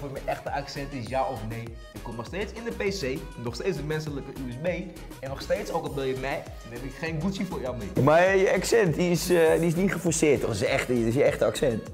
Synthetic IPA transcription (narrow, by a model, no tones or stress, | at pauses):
fʊːmɛjʔɛxtəʔaksɛntɪsjaɔfnej | ɪkːɔmnɔxsteːtt͡sɪndəpeːseː | nɔχsteːt͡ssdəmɛnsələkəʔyɛsbej | ɛnːɔχsteːtsowkɔlˠbɪlˠjəmɛj | nɛpɪkχeːnɡutsjəfʊːrjawmɪːmaɹjəaksɛntdiɪsdiɪs̬nitχəfɔɹsɪətːɔχɪsɛχttɪsjəɛχtəaksɛnt